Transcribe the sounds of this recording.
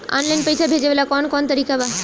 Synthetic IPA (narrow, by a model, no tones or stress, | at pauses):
ɔ̰nlajnpejsʰabʱed͡ʒeʋelakɔnkɔnt̪əɾikaba